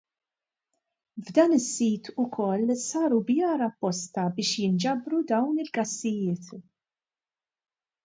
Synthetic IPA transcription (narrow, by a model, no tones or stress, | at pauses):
vd̪ɐːnɪsːiːt̪ʰʊkʰɔlːsɐːɾubjɐːɾɐpːɔst̪ɐbɪːʃjɪnd͡ʒɐbɾud̪ɐwnɪlɡɐsːɪjɪːt̪